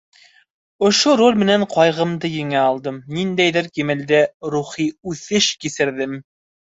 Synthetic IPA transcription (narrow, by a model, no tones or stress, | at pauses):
ŏʃoɾolʲmɘ̆næɴqɑjʁɤ̆md̪ɤjɘ̆ŋæɑlˠd̪ɤmnind̪æjðɘɾkimɘ̆ld̪æɾuχiʉθɘʃkisɘ̆ɾðɘm